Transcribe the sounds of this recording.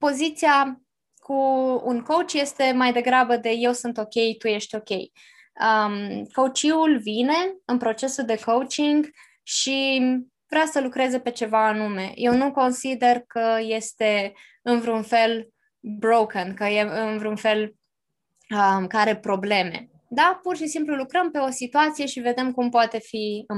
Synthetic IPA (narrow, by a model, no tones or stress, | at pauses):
po̞zit̪sia | kʰuːnko̞wt͡ʃje̞st̪e̞majd̪e̞ɡɾabəd̪e̞je̞wsɨnt̪o̞kʲe̞jt̪uje̞ʃt̪ʲo̞kʲe̞j | əmkowt͡ʃiulvine̞ɨnpɾo̞t͡ʃe̞suld̪e̞ko̞wt͡ʃiŋɡ | ʃi | v̥ɾeawsəlukɾe̞zepe̞t͡ʃe̞vaːnume̞̰jʔe̞wnuko̞nsid̪e̞rkəje̞st̪e̞ | ɨnvɾunfe̞l | bɾowkənkəjeɨnvɾunfe̞l | əkaɾe̞pɾo̞ble̞me̞̰ | d̪apurʃisimplulukɾəmpe̞o̞sit̪uat̪sije̞ʃive̞d̪e̞mkumpoat̪e̞fiɨ